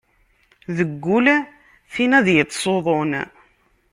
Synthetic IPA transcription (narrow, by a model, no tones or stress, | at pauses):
ðəɡːʊl | θinæðjət̪ˤːsˤoðˤon